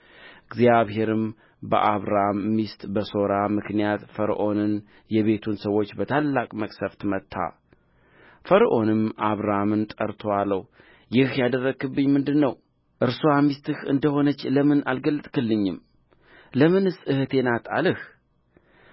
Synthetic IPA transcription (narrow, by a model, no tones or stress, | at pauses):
ʔɨɡzjaβhɦe̞ɾɨm | bə̰ʔaβɾamːist̪ʼbəso̞ɾamɨknijat̪fəɾʔo̞nɨn | jɛβe̞t̪ʰunsəwo̞t͡ʃːbət̪ʰalːakʼməkʼsəft̪ʰɨmət̪ʰːa̰ | fəɾʔo̞nɨmʔaβɾamɨnt̪ʼə̰ɾt̪ʰoalːəw | jɪhjad̪ərːəɡɨbːɨɲmɨnd̪ɨnːəw | ʔɨɾsoamist̪ʰɨhɨ̰nd̪əho̞nət͡ʃːləmɨnalɡəlːɨt̪ʼkɨlːɨɲːɨm | ləmɨnɨsʼɨhɨt̪ʰe̞nat̪ʰa̰lɨh